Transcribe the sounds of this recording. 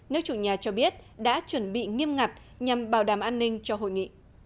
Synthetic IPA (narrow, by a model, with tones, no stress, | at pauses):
nɨ˦˥ək̚t͡ɕu˧˩ɲaː˨˩t͡ɕɔ˧ɓi˦˥ət̚ɗa̰ː˧˥t͡ɕwə˨˧˩nɓḭ˧˨ŋi˧əmŋa˨˩t̚ | ɲa˨˩mɓaː˨˩wɗaː˨˩mʔaː˧nːï˧ŋ̟t͡ɕɔ˧ɦo̰˧˨jŋḭ˧˨